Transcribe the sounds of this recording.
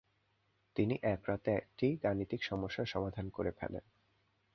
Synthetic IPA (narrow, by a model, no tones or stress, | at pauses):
t̪iniʔɛkɾat̪eɛk̚ʈijɡanit̪ikʃɔmoʃːaʃɔmad̪ʱankoɾepʰɛ̰lḛn